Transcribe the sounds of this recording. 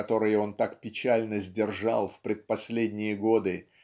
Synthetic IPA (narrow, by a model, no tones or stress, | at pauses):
ɐt̪o̞ɾɨjəo̞nt̪akpʲɪt͡ɕælʲnəzʲdʲɪrʐɑ̰lˠfpɾʲɪt̪̚pɐsʲlʲedʲnʲɪjəɡo̞d̪ɨ